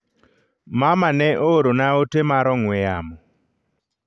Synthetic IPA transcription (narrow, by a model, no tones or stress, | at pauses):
mamanɛʔoɾonaotemaɾɔŋwɛamɔ